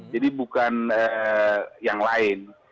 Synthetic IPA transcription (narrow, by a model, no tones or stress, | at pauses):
d͡ʒadibukanə | jaŋlaɪn